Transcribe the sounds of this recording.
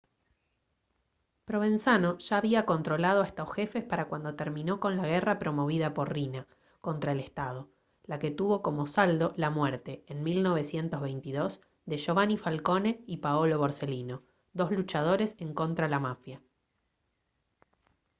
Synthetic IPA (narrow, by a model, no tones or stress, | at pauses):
pɾo̞β̞e̞nsano̞ʒ̥aːβiako̞nt̪ɾo̞lað̞oest̪o̞sxe̞fe̞spaɾakwand̪o̞t̪eɾmĩno̞ko̞nlaɣ̞erapɾo̞mo̞β̞iðapo̞ɾrina | ko̞nt̪ɾae̞lest̪að̞o̞ | lake̞t̪uβo̞ko̞mo̞sald̪o̞lamweɾt̪e̞ːnmilno̞β̞e̞sje̞nt̪ozβejnt̪iðo̞s | ðeʃo̞βanifalko̞ne̞ipaolo̞βoɾse̞lino̞ | d̪o̞zlut͡ʃað̞o̞ɾe̞seŋko̞nt̪ɾalamafja